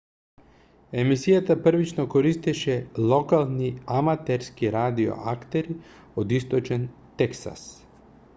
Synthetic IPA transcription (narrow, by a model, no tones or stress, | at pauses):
emisijat̪apr̩ʋit͡ʃnokoɾist̪ɛʃɛlˠokalˠniamat̪ɛɾskiɾad̪io̰ʔakt̪eɾi | od̪ist̪ot͡ʃɛn | t̪ɛksa̰s